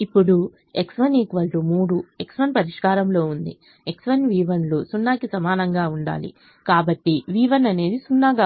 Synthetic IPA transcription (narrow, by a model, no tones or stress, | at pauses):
ipːuɽu | eksʋɐniːkʋɐllomuːɽueksʋɐnpɐɾiʂkaːɾɐmlo̞ːund̪ḭ | eksʋɐnʋiːʋɐnloːsunːaːkisɐmaːnɐŋɡaːuɳɖa̰ːlḭ | kaːbɐʈːiʋiːʋɐnɐne̞ːd̪isunːaːɡaː